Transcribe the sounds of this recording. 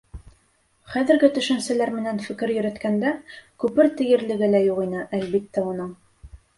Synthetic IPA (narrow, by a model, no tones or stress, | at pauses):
χæðɘ̆ɾɡɘt̪ɵ̆ʃɘ̆nsɘ̆læɾmɘ̆nænfɘ̆kɘɾjɵ̆ɾɘ̆t̪kænd̪ækʉpɘɾt̪ɘ̆jɘ̆ɾlɘ̆ɡɘlæjuʁinɘʔælβbit̪ːæunɤɴ